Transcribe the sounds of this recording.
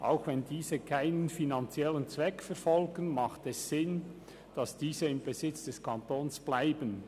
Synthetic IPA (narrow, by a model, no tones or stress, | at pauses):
ʔa̰ʊxvɛndiːzəkʰaɪnənfinɑnt͡sjɛlənt͡svɛkfɛɾfɔlɡənmɑχtɛsːɪn | d̥ɑsd̥iːzəɪmbezɪt͡sd̥ɛskʰɑntoːnsb̥laɪbən